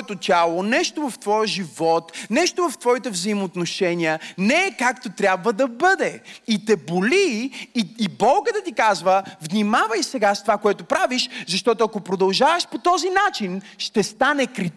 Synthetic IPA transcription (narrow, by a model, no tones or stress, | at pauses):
t̪ot̪ʲalˠonɛʃt̪ovɐft̪vɔjʒivɔt̪nɛʃt̪ovɐft̪vɔit̪ɛvzəimot̪noʃɛnʲiənɛɛkakt̪ot̪ɾʲabvəd̪ɐbəd̪ɛit̪ɛboliː | bɔlˠɡəd̪ɐt̪ikazvəvnimavəjsɛɡast̪ovakoɛt̪opɾaviʃzɐʃt̪ɔt̪ʊɐkopɾod̪ɐlˠʒavəʃpot̪ɔzinat͡ʃinʃt̪ɛst̪anɛkɾi